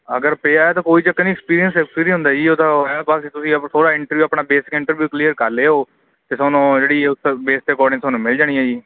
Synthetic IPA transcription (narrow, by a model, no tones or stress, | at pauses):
əɡəɾpeːaːaːt̪ãːkoːiːt͡ʃəkːənĩːkspiːɾijənsɛkspiːɾĩɦʊ̃nd̪aːd͡ʒiːoːd̪aːjaːbaksit̪ʊsĩːət̪ʰoːɽaːɪ̃ɳʈəɾʋjuːəpɳaːbeːsɪ̥kɪ̃ɳʈəɾʋjuːklijəɾkəɾleːɦoː | t̪eːsɔːnõːd͡ʒeːɽiːʊt̪ːbeːsʈ̪əkɔːɾɖɪ̃ŋsɔːnũːmɪld͡ʒaːɽ̃ĩːãːd͡ʒiː